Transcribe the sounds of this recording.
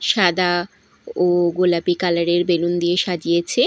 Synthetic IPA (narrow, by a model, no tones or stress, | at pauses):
ʃad̪a | oɡolapikalaɾeɾbelund̪ijeʃad͡ʑijet͡ɕʰe